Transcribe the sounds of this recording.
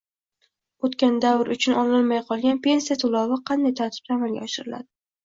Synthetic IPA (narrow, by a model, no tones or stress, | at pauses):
ot̪kʲand̪avɾʊt͡ʃʰʊnɒlɪlmajqʰɒlˠɡʲanpʰe̞nsijat̪ʰʊlˠɒwɪqʰɑnd̪ajt̪ʰaɾt̪ʰɪ̥p̚t̪ʰaːmalɡʲa̰ɒʃɪɾɪla̰d̪ɪ